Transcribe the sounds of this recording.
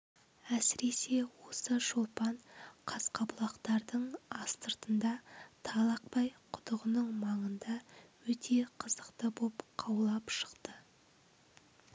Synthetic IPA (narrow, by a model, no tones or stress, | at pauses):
æsɪɾe̞se̞wo̞səʃolˠpɑɴqʰɑsqɑbʊlˠɑqt̪ɑɾd̪əɴɑst̪əɾt̪ənd̪ɑt̪ʰɑlˠɑq̚pɑjqʰʊ̥t̪əʁənəɴmɑɴənd̪ɑwɵt̪ʰe̞qʰəzəqt̪əbopqʰɑwlˠɑpʃə̥qt̪ə